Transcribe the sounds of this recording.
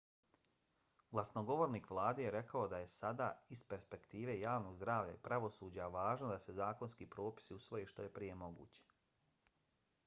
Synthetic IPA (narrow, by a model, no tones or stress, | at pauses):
ɡlˠasno̞ɡo̞ʋoɾniːkʋlˠaːd̪ejeɾe̞kaod̪aje̞sad̪a̰ːispe̞ɾspe̞kt̪iːʋe̞jaːʋno̞ɡzd̪ɾaːʋʎa̰ipɾaʋo̞suːd͡ʑaʋaːʒnod̪ase̞zaːkonskiːpɾo̞ːpi̥siusʋo̞jeʃt̪o̞je̞pɾije̞mo̞ɡṵːt͡ɕe̥